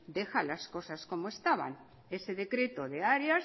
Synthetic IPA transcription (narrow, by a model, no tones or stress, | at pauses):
d̪exalasko̞sasko̞moest̪aβa̰n | eseðe̞kɾe̞t̪oðeaɾjas